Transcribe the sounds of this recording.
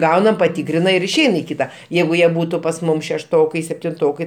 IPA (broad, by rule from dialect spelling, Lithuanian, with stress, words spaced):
ˈɡɐʊnɐm pɐˈtʲiːkrʲɪnɐ ɪr ɪʃʲˈɛɪn ɪ ˈkʲiːtɐ ˈjɛɪɡʊ ˈjiɛ ˈbuːtʊ pɐs ˈmʊm ʃʲɛʃˈtoːkɐɪ sʲɛpʲtʲɪnˈtoːkɐɪ